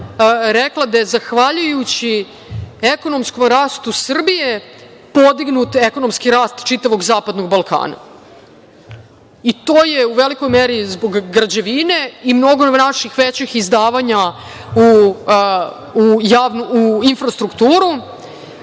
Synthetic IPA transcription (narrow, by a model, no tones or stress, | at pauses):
ɾeklˠad̪ajezaxʋaʎujut͡ɕi | eko̞no̞msko̞mɾaːst̪usr̩bije̞ | po̞d̪iɡnut̪eko̞nomskiɾaːst̪t͡ʃit̪aʋo̞ɡzaːpad̪no̞ɡbalˠka̰ːna̰ | it̪oːjeuʋeliko̞jmeɾizbo̞ɡːɾad͡ʑeʋine̞imno̞ɡonaʃixʋet͡ɕixizd̪aːʋaɲau | ujaːʋnuuinfɾast̪ɾukt̪uːɾu